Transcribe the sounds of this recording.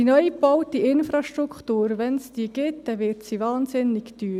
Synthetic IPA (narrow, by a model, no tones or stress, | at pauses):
inœʏbɔʊt̪iʔɪnfɾɑʃtɾukχtuːɾʋɛnsd̥iːəɡ̥ɪt̚d̥̪ɛʋɪɾtsivɑːnsɪnɪɡd̥yː